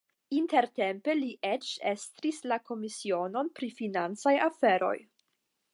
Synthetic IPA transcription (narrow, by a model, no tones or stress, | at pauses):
inte̞ɾte̞mpe̞liʔet͡ʃe̞st̪ɾislako̞misio̞no̞npɾifinant͡sajafe̞ɾo̞̰j